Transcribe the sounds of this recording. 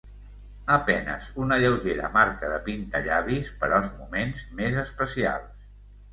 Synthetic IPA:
əpɛnə̰zunəʎəwʒeɾə̰maɾkəðəpint̪əʎaβispəɾɔəlˠzmumenzmezəspəsia̰lˠs

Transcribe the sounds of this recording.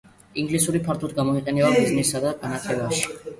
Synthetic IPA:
iŋɡlisuɾipʰaɾt̪ʰud̪̚ɡamɔiqʼɛnɛbamiznisad̪aanaχʰɛvaʃi̥

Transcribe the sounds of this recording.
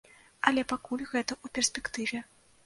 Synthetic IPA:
ɐlʲɛpakulʲɣɛt̪ɐʔupʲɛrsʲpʲɛkt̪ɨvʲɛ

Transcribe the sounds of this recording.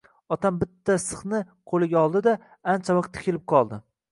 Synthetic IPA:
ɒt̪ʰambɪt̪ʰːasɨχnɪ | qʰolˠɪɡʲaɒlˠd̪ɪd̪a | ant͡ʃʰavɑq̚t̪ʰːɪ̥kʲɪlɪp̚qʰɒlˠd̪ɪ

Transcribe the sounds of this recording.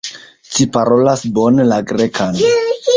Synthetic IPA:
t͡ʃipaɾo̞lasbo̞nelaɡɾekʰan

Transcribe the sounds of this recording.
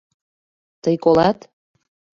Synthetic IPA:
t̪əjkolɑt̪

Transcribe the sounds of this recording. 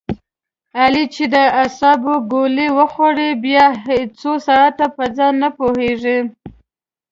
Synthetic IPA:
alit͡ʃed̪əasɑboɡoliwəxoɽebjɑɦet͡sosaɽat̪apəd͡zɑnːapoheʐi

